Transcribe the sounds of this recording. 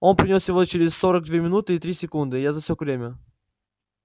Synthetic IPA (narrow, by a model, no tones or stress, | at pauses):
o̞npɾʲɪnʲosjɪvo̞t͡ɕɪɾʲɪsʲso̞ɾəɡ̚d̪vʲemʲɪnut̪ɨɪt̪ɾʲisʲɪkund̪ɨjazɐfsʲokvɾʲemʲə